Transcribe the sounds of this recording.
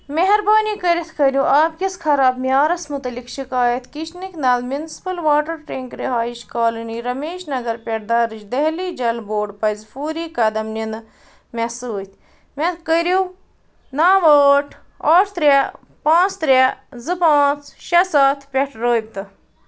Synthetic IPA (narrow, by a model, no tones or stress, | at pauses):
meɦɐɾbaːniːkɐɾʲit̪ʰkɐɾʲũʔaːbkʲiskʰɐɾaːbmiaːɾɐsmut̪ɐlikʃikaːjɐt̪kit͡ʃniknɐːlmjunsi̥pɐlʋaːʈɐɾʈeŋkɾiɦaːjiʃkaːloniɾɐmeːʃnɐɡɐɾpʲɐʈ̚d̪ɐɾɨt͡ʃd̪ɐɦliːd͡ʒɐlboːɖpɐzfuːɾiːkɐd̪ɐmninɨ | mesuːt̪ʲ | mekəɾu | naːʋoːʈʰ | oːʈt̪ɾʲa | pãːt͡st̪ɾʲazɨpãːt͡sʃɐsaːt̪ʰpʲɐʈʰɾoːb̚t̪ɨ